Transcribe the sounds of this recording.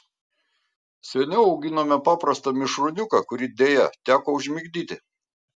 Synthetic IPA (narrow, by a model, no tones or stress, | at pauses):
sʲɛnʲɛʊɒʊɡʲɪnoːmʲɛpɑːpɾɐst̪ɐmʲɪʃɾʊnʲʊkɐkʊɾʲid̪ʲeːjɛt̪ʲæːkoːʊʒʲmʲɪɡd̪ʲiːt̪ʲɪ